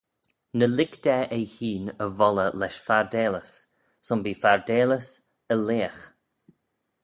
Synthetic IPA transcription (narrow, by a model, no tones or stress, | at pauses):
nəlɪkd̪̥ɛʔɛjhiːnəvɔləlɛʃfaɹd̪eːləs | sʊmbiːfaɹd̪eːləs | əleːəx